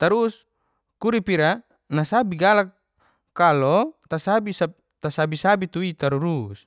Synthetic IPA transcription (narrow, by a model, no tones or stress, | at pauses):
t̪aɾus | kuɾipiɾa | nasabiɡalakː | alɔt̪asabisa | t̪asabisabit̪uit̪aɾuɾus